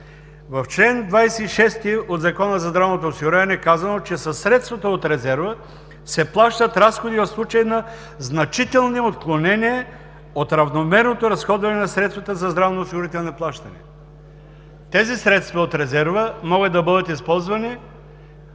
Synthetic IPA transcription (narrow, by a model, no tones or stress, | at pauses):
vɐft͡ʃlɛnd̪vajsɛiʃɛst̪iod̪zɐkɔnəzɐzd̪ɾavnot̪oːsiɡʊɾavɐnɛːkazɐnot͡ʃɛsɐsːɾɛt̪st̪vɐt̪əot̪ɾɛzɛɾvə | sɛplˠaʃt̪ət̪ɾasxod̪ivɐfslˠut͡ʃɐjnɐ | znɐt͡ʃit̪ɛlˠniot̪klˠonɛniɛ | ot̪ɾɐvnomɛɾnot̪oɾɐsxɔd̪vɐnɛnɐsɾɛt̪st̪vɐt̪əzɐzd̪ɾavnoːsiɡʊɾit̪ɛlˠniplˠaʃt̪ɐnɛ̰ | t̪ɛzisɾɛt̪st̪vɐot̪ɾɛzɛɾvəmɔɡət̪ːɐbəd̪ət̪ispɔlˠzvɐni